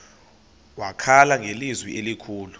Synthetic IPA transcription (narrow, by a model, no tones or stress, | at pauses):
wakʰalaŋʱelizwiʔelikʰuːlu